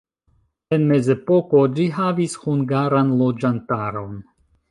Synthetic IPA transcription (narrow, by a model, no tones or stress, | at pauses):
e̞nme̞ze̞po̞ko̞d͡ʒiɦavishuŋɡaɾanlo̞d͡ʒantaɾo̞n